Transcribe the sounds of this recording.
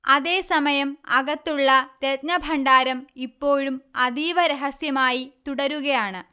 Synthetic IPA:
ɐðe̞ːsɐmɐjɐmɐɣɐt̪ːuɭːɐt̪et̪nɐbʱɐɳɖaːɾɐmipːo̞ːɻumɐðiːʋɐɾeɦɐsjɐmaːjit̪uɽɐɾuɣɐjaːɳɨ

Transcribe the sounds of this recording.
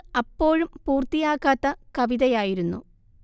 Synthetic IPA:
ɐpːo̞ːɻumpuːrt̪ːijaːkːaːt̪ːɐkɐʋiðɐjaːjiɾunːu

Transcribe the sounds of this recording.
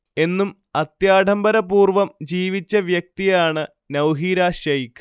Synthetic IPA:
e̞nːum | ɐt̪jaːɖʱɐmbɐɾɐpuːrʋɐmd͡ʑiːʋit͡ɕːɐʋjɐk̚t̪ijaːɳɨ | nɐwɦiːɾaːɕɐjk

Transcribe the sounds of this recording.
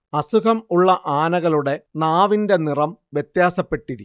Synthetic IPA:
ɐsukʰɐmuɭːɐʔaːnɐɣɐɭuɽe̞naːʋinde̞nirɐmʋjet̪jaːsɐpːe̞ʈːiɾi

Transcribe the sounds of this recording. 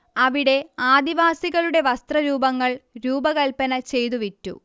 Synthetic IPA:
ɐʋiɽe̞aːd̪iʋaːsiɣɐɭuɽe̞ʋɐst̪rɐɾuːbɐŋːɐɭɾuːbɐɣɐlpɐnɐt͡ɕe̞jt̪̬uʋitːṵ

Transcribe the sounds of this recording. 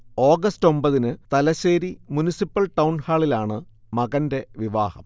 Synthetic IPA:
o̞ːɡɐsto̞mbɐðinɨt̪ɐlɐɕe̞ːɾimunisipːɐɭʈɐwnhaːɭilaːɳɨ | mɐɣɐnde̞ʋiʋaːhɐ̰m

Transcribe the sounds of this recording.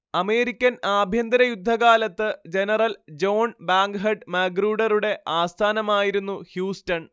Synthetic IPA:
ɐme̞ːɾikʲːɐnaːbʱjɐnd̪ɐɾɐjud̪ʱːɐɣaːlɐt̪ːɨd͡ʑe̞nɐrɐld͡ʑo̞ːnbaːŋɡɦɐɖmɐːɡruːɽɐɾuɽe̞ʔaːst̪ʰaːnɐmaːjiɾunːuhjuːstɐn

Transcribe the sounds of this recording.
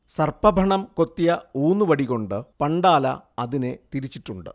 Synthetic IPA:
sɐrpɐbʱɐɳɐmko̞t̪ːijɐuːnːuʋɐɽiɣo̞ɳɖɨpɐɳɖaːlɐ̰ɐðine̞t̪iɾit͡ɕːiʈːuɳɖɨ̰

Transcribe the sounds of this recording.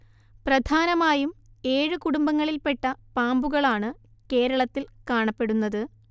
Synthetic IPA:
prɐd̪ʱʰaːnɐmaːjum | e̞ːɻɨkuɽumbɐŋːɐɭilpe̞ʈːɐpaːmbuɣɐɭaːɳɨ | ke̞ːɾɐɭɐt̪ːilkaːɳɐpːe̞ɽunːɐðɨ

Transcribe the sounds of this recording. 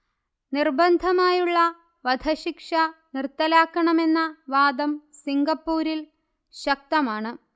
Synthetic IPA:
nirbɐnd̪ʱɐmaːjuɭːɐ | ʋɐd̪ʱɐɕikʂɐnirt̪ːɐlaːkːɐɳɐme̞nːɐʋaːd̪ɐmsiŋɡɐpːuːɾil | ɕɐk̚t̪ɐmaːɳɨ

